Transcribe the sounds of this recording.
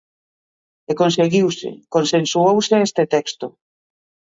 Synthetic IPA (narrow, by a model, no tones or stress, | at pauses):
ekonseɣiwsḛkonsensuowseest̪et̪ɛkst̪o